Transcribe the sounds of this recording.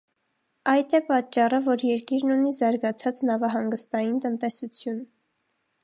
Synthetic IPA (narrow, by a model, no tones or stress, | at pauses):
ɑjt̪ʰɛpɑt͡ʃːɑrəvɔɾjɛɾkiɾnunizɑɾɡɑt͡sʰɑt͡snɑvɑɦɑŋɡəst̪ɑjint̪ənt̪ɛsut͡sʰjun